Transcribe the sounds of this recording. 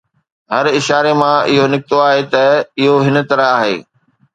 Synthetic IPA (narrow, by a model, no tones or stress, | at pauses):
ɦɐɾɪʃaːɾemãɪɦonɪkɪt̪oaːɦet̪ɐɪɦoɦɪn̆t̪ɐɾəaːɦḛː